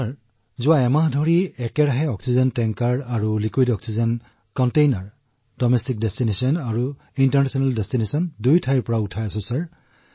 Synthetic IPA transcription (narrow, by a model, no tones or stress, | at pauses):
aɹ | zʊwaɛmaɦdʱɔɹiɛkɛɹaɦɛɔksizɔntɛŋkaɹaɹulikwidɔksizɔn | kɔntejnaɹ | dɔmɛstik̚dɛstinesiɔnaɹu | intaɹnɛsɔnaldestinesɔndujtʰajɹpɔɹautʰajasɔ̃saɹ